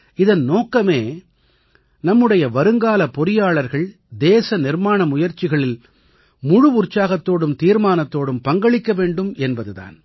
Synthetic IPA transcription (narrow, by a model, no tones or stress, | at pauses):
ɪðɐnnoːkːɐmeː | nɐmːɯɽɐjɐʋɐɾɯŋɡaːlɐpɔɾɪjaːɭɐɾɣɐɭ | d̪eːsɐnɪɾmaːɳɐmʊjɐɾt͡ʃɪɣɐɭɪl | mʊɻʊʋʊɾt͡ʃːaːɣɐt̪ːoːɽɯmt̪iːɾmaːnɐt̪ːoːɽɯmpɐŋɡɐɭɪkːɐʋeːɳɖɯmʔɛnbɐðɯða̰ːn